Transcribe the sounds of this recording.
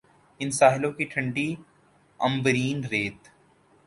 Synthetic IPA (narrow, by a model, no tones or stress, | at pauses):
ɪnsaːɦɪlõkiʈʰɐ̃ɳɖi | ɐ̰̃mbəɾiːnɾeːt̪